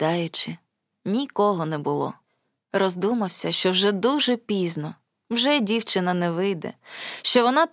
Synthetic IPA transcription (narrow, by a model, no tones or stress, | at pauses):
ɑjʊt͡ʃɪ | nʲikɔɦɔnɛbʊlˠɔ̰ | rɔzd̪umɐwsʲɐʃt͡ʃɔwʒɛd̪uʒɛpʲiznɔ | wʒɛdʲiwt͡ʃɪnɐnɛʋɪjd̪ɛ̰ʃt͡ʃɔʋɔnɑ